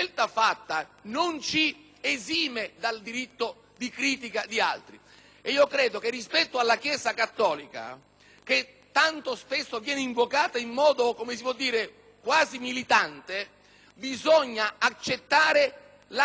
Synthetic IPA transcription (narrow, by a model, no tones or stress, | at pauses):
elt̪afat̪ːanont͡ʃi | eziːmed̪ald̪iɾit̪ːo | d̪ikɾiːt̪̬ikad̪ia̰lt̪ɾi | eiːokɾɛːd̪ok̟erːispɛt̪ːoalːakjɛːzakat̪ːɔːlika̰ | k̟e | t̪ːant̪ospesːovjɛːneiɱvokaːt̪aimːɔːd̪okomesipwɔd̪ːiːɾe | kwaːzimilit̪ant̪e | bizɔɲːaat͡ʃːet̪ːaːɾe | la